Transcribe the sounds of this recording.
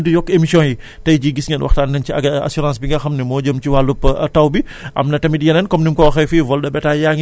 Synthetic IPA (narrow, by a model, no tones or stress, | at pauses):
dijɔkːemisiɔ̃ji | tɐjd͡ʒiɡisŋɐnwɐ̰xtanɛnt͡ʃiɐɡɐa̰suɾãnsbiŋɡɐxɐmnɛmɔːd͡ʒəmt͡ʃiwalːupːtawbi | ʔa̰mnɐtɐmidijɐnɛnkɔmnimkɔxɛjfivɔlɗɐbɛtajaŋ